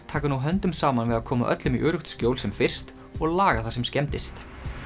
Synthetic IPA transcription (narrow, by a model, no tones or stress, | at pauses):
t̪ʰaːkanuɦœnt̪ʏmsaːmanvɪðaðkʰɔːmaʔœ̰t̪lʏmiʔœːɾʏxt̪scjowlsɛmfɪr̥st̪ | ɔɣlaːɣaθasɛmscɛmt̪ɪst̪